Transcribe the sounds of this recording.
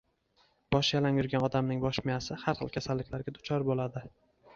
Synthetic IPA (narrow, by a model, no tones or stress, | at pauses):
b̥ɒʃjalamjʊɾɡʲanɒd̪amnɪŋbɒʃmɪjasɪhaɾχɨ̰lˠkʲʰasalːɪkʲlaɾɡʲad̪ʊt͡ʃʰɒɾbolad̪ɪ